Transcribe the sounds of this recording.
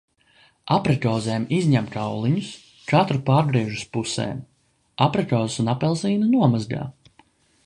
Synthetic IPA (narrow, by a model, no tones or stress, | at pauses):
apɾɛkɔːzeːmizɲæmkawlˠiɲus | kat̪ɾupaːɾɡɾiɛʒuspusḛːm | apɾɛkɔːzasunapɛlˠsiːnɐnuɔmazɡa̰ː